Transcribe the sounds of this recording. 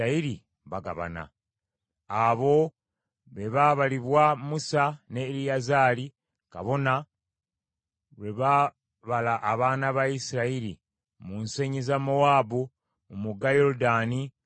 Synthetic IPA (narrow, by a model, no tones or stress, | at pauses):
aiɾi | βaɡa̰βa̰na̰ | aβo̞ | βe̞βaβaliβwamusanelijazaːli | ka̰βo̞na | βe̞βa | βalaʔːβaːnaβajisiɾaiɾi | munseɲizamowaːbu | omuɡajo̞ɾudaːni